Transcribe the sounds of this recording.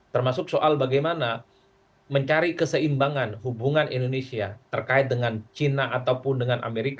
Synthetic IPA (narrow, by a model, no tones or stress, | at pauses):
t̪ərmasʊksoʔalbaɡajmana | məɲt͡ʃaɾikəsəimbaŋanɦubuŋanʔḭndonesiat̪ərkaɪt̪̚dəŋant͡ʃinaʔat̪awpʊndəŋanʔa̰meɾika